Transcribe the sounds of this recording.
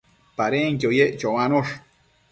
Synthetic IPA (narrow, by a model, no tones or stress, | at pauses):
paɾeŋkojeʔt͡ʃowanoʃ